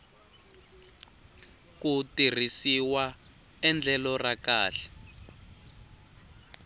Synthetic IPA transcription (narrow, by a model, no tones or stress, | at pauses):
kutir̤isiwa | ɛnd͡ɮʱɛlɔrakaːɬɛ̥